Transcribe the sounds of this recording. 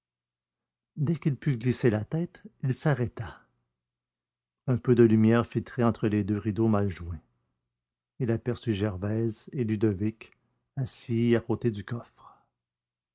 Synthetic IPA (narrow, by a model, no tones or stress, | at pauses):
d̪ɛkilpyɡliselat̪ɛt̪ilsaʁɛt̪a | ɛ̃pød̪əlymjɛːʁfilt̪χɛɑ̃t̪χəled̪øʁid̪omalʒuwẽ | ilapɛʁsyʒɛʁvɛzelyd̪ɔvɪk | asiakot̪ed̪ykɔfχ